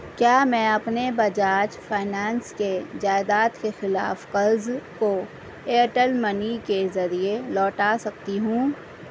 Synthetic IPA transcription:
kjaːmɛ̃ːɐpnebɐd͡ʒaːd͡ʒfʰaːɪnaːnsked͡ʒaːɪd̪aːt̪kexɪla̰ːfqɐɾzko | eːʈəlmɐnikezɐɾielɔːʈasɐk̚t̪iɦũː

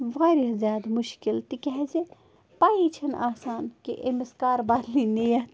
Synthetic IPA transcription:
ʋaːɾiɦzjaːd̪muʃkilt̪ikɛɦɛze | paːit͡ʃʰɐna̰ːsaːnkḛʔḛmiskaːɾbaːd̪linejɐt̪

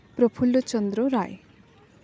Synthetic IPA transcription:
pɾɔpʰulːɔt͡ʃɔnd̪ɾoɾaj

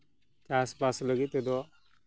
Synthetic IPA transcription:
t͡ʃaːspasləɡit̪ed̪ɔ

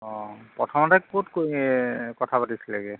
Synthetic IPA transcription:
ɔpɔtʰɔmɔtak̚botko | kɔtʰapatisilaɡɛ

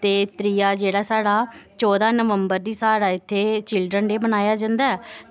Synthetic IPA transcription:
t̪eːt̪ɾiːjaːd͡ʒeːɽaːsaːɽaːt͡ʃɔːd̪ãːnəʋəmbəɾd̪iːsaːɾaːɪt̪ʰːeːt͡ʃɪlɖɾənɖeːbənaːjaːd͡ʒãnd̪aːɛː

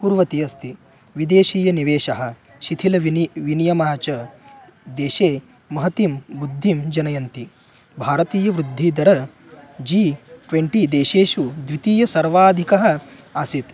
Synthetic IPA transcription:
puːɾʋɐt̪iɐst̪ʰi | ʋid̪eːʃiːjɐniʋeːʃɐɦɐ̆ | ʃit̪ʰilɐʋinjɐmaːt͡ʃɐ | d̪eːʃeː | mɐɦɐt̪imbud̪ʱːimd͡ʒɐnɐjɐnt̪i | bʱaːɾɐt̪iːjɐʋɾud̪ʱːid̪ɐɾɐ | d͡ʒiːʈʋeɳʈid̪eːʃeːʃud̪ʋit̪iːjɐsɐɾʋaːd̪ʱikɐɦɐ̆ɐsit̪

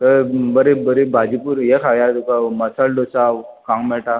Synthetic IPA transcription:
t̪əbəɾibəɾibʱad͡ʒipuɾjekʰaɡjat̪ukaməsəlɖosakãŋmɛʈa

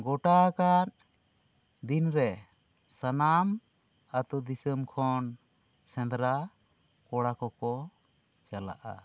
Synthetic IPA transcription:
ɡɔʈakat̪̚ | d̪inɾɛ | sanam | at̪ɔd̪isəmkʰɔn | sɛ̃nd̪ɾa | kɔɽakɔkɔ | t͡ʃala̰ʔa̰

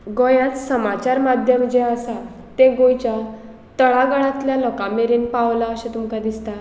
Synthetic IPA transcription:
ɡɔjãt͡ssəmat͡ɕaɾmad̪ʱjəmd͡ʑeəsa | t̪eɡojt͡ɕja | t̪əɭaɡəɭ̃ãt̪ljalɔkãmeɾiːnpaʋlaəɕẽt̪umkad̪ist̪a

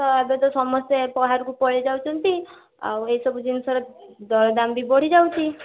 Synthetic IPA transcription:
t̪ɔabet̪ɔsɔmɔst̪epɔɦaɾkupɔɭed͡ʒawt͡ʃʰɔnt̪i | a̰weisɔbud͡ʒinsaɾed̪ɔɾɔd̪ambibɔɽ̤id͡ʒawt͡ʃʰi

